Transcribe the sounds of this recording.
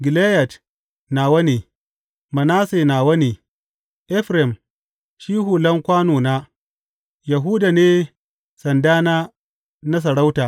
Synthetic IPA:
ɡɪ˨le˦ja˨t | naː˨wɐ˦neː˨ | mɐ˨naː˦seː˨na˨wɐ˦ne˨ | ʔɛ˦ɸɾɛ˨m | ʃiː˦ɦu˨lɐ˦ŋkʷaː˦noː˨naː˦ | ja˨ɦuː˦da˨neː˦ | sɐ˨ndaː˦na˦ | na˦s̬ɐ˨ɽa˦wta˨

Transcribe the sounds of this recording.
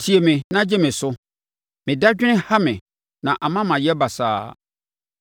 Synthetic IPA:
tʰi˨e˨mɪ̃˨nã˦d͡ʑɛ˦mɪ̃˨sʊ˦ | mɪ̃˨da˦d͡ʑᶣɪ˦ɪ̃˦ha˦mɪ̃˨ | nã˨ʔa˨mã˦mã˨jɛ˦ba˨sa̰ː˦

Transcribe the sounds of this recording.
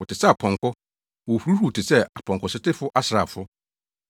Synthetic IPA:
wɔ˨tʰɪ˨sɛ˦a˨pʰɔ̃˨ŋkɔ˦ | wɔ˨hu˨ɾu˦hu˨tʰɪ˨sɛ˦˨a˨pʰɔ̃˨ŋkɔ˨sɪ˦tɪ˦fʊ˦ʔa˦sɪ˨ɾa˨fʊ˦

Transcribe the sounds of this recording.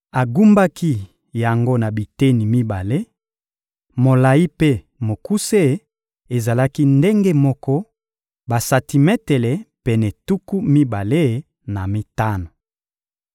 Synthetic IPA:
a˨ɡu˦mba˦ki˦ | ja˨ŋɡo˦na˨bi˨te˦ni˨mi˦ba˨le˦ | mo˨la˨ji˦pe˦ | mo˨ku˦se˦˨˦ | e˨za˨la˦ki˦nde˦ŋɡe˦mɔ˦kɔ˦ | ba˨sa˨ti˨mɛ˦te˨lɛ˨pɛ˨nɛ˨tu˦ku˦mi˦ba˨le˦˨ | na˨mi˦ta˦na˨

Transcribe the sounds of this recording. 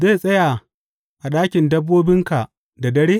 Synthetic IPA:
zeː˦˨sʼɐ˦ja˨ | ʔa˨ɗaː˦kʲɪ˨ndɐ˦bːoː˦bɪ˦ŋka˨ | da˨dɐ˦ɽeː˦

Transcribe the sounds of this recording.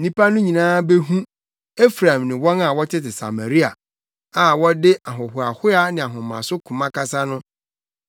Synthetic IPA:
nĩ˦pa˦nʊ̃˦ɲĩ˨nãː˦be˦ɦũ˦ | e˦fɾã˨mnɪ̃˨wɔ̃˦na˨wɔ˦tʰɪ˦tɪ˨sa̰˨ma˨ɾi˦a˨ | a˨wɔ˦dɪ˦ʔa˨ɦʊ˨hʊ˨a˨hʊ˦a˦nɪ̃˨a˨ɦʊ̃˨mã̰˨sʊ˦kʰũ˨mã˦ka˦sa˦nʊ̃˦

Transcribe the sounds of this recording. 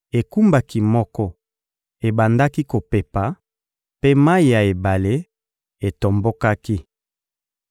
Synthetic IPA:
e˨ku˦mba˦ki˦mɔ˦kɔ˦ | e˨ba˨nda˦ki˦ko˨pe˨pa˨ | pe˦ma˦i˨ja˨e˨ba˨le˦ | e˨to˨mbo˦ka˦ki˦

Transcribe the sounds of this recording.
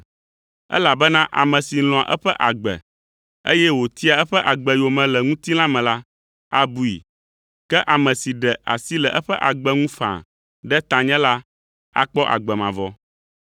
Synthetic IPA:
ɛ̰˦la˨bɛ˦nã˦ʔa̰˨mɛ̃˨si˨l̃ɔ̃˨a˨ʔɛ˦ɸɛ˦ʔa˨ɡ͡bɛ̰˨ | ḛ˦jɛ˦wo˨t̪i˦a˨ɛ˦ɸɛ˦ʔa˨ɡ͡bɛ˨jo˨mɛ̃˨lɛ˨ŋũ˦t̪i˦l̃ã˦mɛ̃˨la˦ | a˦bu˦ḭ˨ | kɛ˦ʔa˨mɛ̃˨si˨ɖɛ˨a̰˨si˦lɛ˨ʔɛ˦ɸɛ˦ʔa˨ɡ͡bɛ˦ŋũ˦fã̰˨ | ɖɛ˦t̪ã˨ɲɛ̃˦la˦ | a̰˦k͡pɔ˦ʔa̰˨ɡ͡bɛ˨mã˨vɔ˨

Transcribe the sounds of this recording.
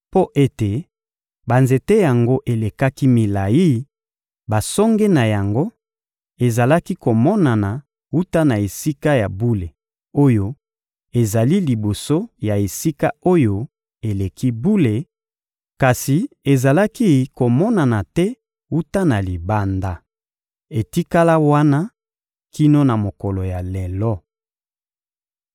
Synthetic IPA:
po˦ʔe˦te˨ | ba˨nze˨te˦ja˨ŋɡo˦ʔe˨le˨ka˦ki˦mi˨la˨ji˦ | ba˨sɔ˦ŋɡɛ˦na˨ja˨ŋɡo˦ | e˨za˨la˦ki˦ko˨mɔ˦na˨na˨ | u˦ta˦na˨e˨si˦ka˦ja̰˨bu˦le˨ | o˦jo˦ | e˨za˨li˦li˨bo˨so˦ja˨e˨si˦ka˦o˦jo˦ | e˨le˨kʰi˦bu˦le˨ | ka˨si˨e˨za˨la˦ki˦ko˨mɔ˦na˨na˨tɛ˦ | u˦ta˦na˨li˨ba˦nda˦ | e˨ti˦ka˦la˦wa˦na˦ | ki˦no˦na˨mo˨kɔ˨lɔ˨ja˨lɛ˨lɔ˦

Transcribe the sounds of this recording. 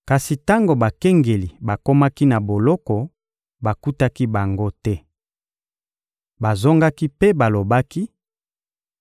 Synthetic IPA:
ka˨si˨ta˦ŋɡo˨ba˨kɛ˦ŋɡe˨li˨ba˨ko˦ma˦ki˦na˨bo˨lɔ˦kɔ˨ | ba˨ku˦ta˦ki˦ba˨ŋɡo˦tɛ˦ | ba˨zo˦ŋɡa˦ki˦pe˦ba˨lo˨ba˦ki˦

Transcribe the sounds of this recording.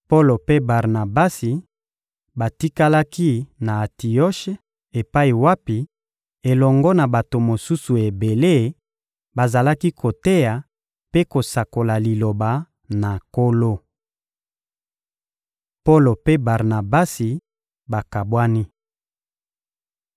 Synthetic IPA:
po˦lo˨pe˦ba˨ʁna˨ba˦si˨ | ba˨ti˦ka˦la˦ki˦na˨ti˨ɔ˦ʃe˦ | e˨pa˦i˨wa˦pi˨ | e˨lɔ˨ŋɡɔ˦na˨ba˨to˨mo˨su˦su˨e˨be˨le˦˨ | ba˨za˨la˦ki˦kʰo˨te˦ja˨ | pe˦ko˨sa˨ko˨la˨li˨lo˨ba˨ | na˨ko˦lo˦ | po˦lo˨pe˦ba˨ʁna˨ba˦si˨ | ba˨ka˨bwa˦ni˦

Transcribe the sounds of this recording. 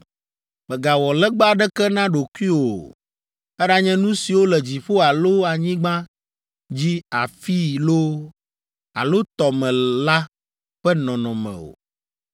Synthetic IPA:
mɛ̃˨ɡa˨wɔ˨lɛ˦ɡ͡ba˦ɖɛ˦kɛ˦nã˦ɖo˨ku˦i˦o˨ | ɛ˦ɖa˦ɲɛ̃˦nũ˦si˨wo˦lɛ˨d͡ʑi˨ɸo˦a˨lo˦a˨ɲĩ˦ɡ͡bã˦ | d͡ʑi˦a˨fi˦lo˦ | a̰˨lo˦t̪ɔ˨mɛ̃˨la˦ | ɸɛ˦nɔ̃˨nɔ̃˨mɛ̰̃˨o̰˨

